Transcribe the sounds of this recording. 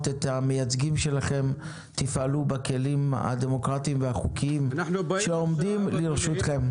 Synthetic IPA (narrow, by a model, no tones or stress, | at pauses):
t̪et̪ame̞jat͡sɡimʃe̞laχe̞m | t̪ifʔalubake̞lima̰d̪e̞mo̞kʁatiːmveaχukʰiimʃeomd̪imliʁʃut̪χem